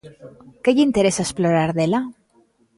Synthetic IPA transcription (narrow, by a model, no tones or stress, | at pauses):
keʎint̪eɾesaesploɾaɾðela